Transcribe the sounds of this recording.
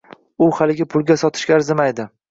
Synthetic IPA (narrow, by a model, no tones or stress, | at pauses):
ʊχalɪɡʲɪpʰʊlˠɡʲasɒt̪ʰɪ̥ʃkʲaɾzɪmajd̪ɪ